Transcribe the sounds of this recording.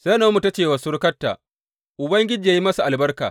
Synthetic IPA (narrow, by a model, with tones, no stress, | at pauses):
sa˦noː˦mu˨tɐ˦t͡ʃeː˨wa˨sʊ˦ɾkɐ˦tːa̰ː˨ | ʔʊ˨bɐ˦ŋɡʲɪ˦d͡ʒiː˨jaː˦ji˦mɐ˦sa˨ʔa˨lbɐ˦rka̰ː˨